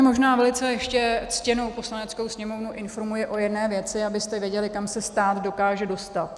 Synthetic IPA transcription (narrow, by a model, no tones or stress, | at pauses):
mo̞ʒnaːvɛlɪt͡sɛjɛʃcɛt͡scɛno̞wpo̞slanɛt͡sko̞wsɲɛmo̞vnuʔɪnfo̞ɾmujɪʔo̞jɛdnɛːvjɛt͡sɪabɪst̪ɛvjɛɟɛlɪkamsɛst̪aːt̪do̞kaːʒɛdo̞st̪at̪